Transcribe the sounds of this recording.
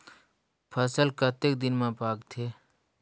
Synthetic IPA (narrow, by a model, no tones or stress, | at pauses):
pʰəsəlkɐt̪ekd̪ɪnmãpaːkt̪ʰeː